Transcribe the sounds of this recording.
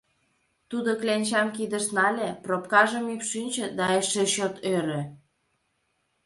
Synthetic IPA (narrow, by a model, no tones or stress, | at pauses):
t̪ud̪oklʲenʲt͡ɕɑmkid̪əʃnɑlʲeprop̚kɑʒə̆mypʃynʲt͡ɕə̆d̪ɑeʃeɕot̪ʰøɾø̆